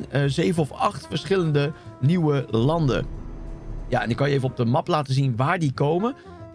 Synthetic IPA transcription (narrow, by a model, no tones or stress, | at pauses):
zejvənɔfɑχtfəɹsχɪləndəniwəlɑndə̰ | jaɛnɪkɑnjəejvənɔb̚dəmɑplaːtəzinʋaːɹdikowmə